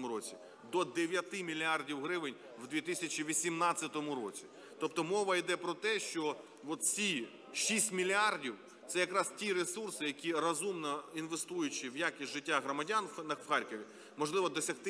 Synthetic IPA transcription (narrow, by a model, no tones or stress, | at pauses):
mʊɾɔt͡sʲi | d̪ɔd̪eʋʲjɐt̪ɪmʲilʲiardʲiwɦɾɪʋɪnʲ | wd̪ʲʋʲit̪ɪsʲɐt͡ʃiʋʲisʲimnɑtt͡sʲːɐt̪ɔmʊɾɔ̰t͡sʲi | t̪ɔpt̪ɔmɔʋɐjd̪ɛpɾɔt̪ɛʃt͡ʃɔ | ʋɔt̪t͡sʲi | ʃisʲtʲmʲilʲiardʲiw | t̪sɛjɐkɾɑstʲiɾesursɪjɐkʲirɐzumnɔinʋest̪ujʊt͡ʃiwjakʲisʲʒɪtʲːaɦɾɔmɐdʲannɐʋxɑrʲkɔʋʲi | mɔʒlˠɪʋɔd̪ɔsʲɐxt̪ɪ